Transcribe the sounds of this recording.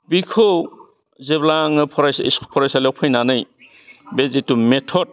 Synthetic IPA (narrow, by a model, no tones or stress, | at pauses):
bikʰɔw | zeblaŋɯpʰɔɾajsḭsʰpʰɔɾajsalɔpʰɯjnanɯj | bezitumetʰɔd̚